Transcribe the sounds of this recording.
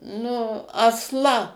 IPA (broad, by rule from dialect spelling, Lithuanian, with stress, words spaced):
nʊ ɐsˈlˠɐ